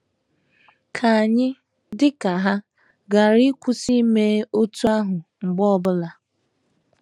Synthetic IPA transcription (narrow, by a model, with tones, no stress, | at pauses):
kʰa˨a˨ɲɪ˦ | dɪ˦ka˨ɦa˦ | ɡa˨ɾi˦kʷu˦si˦me˦o˦tu˦a˦ɦʊ˨ŋ͡m̩˨ɡ͡bɔ˦ɔ˦bʊ˦la˨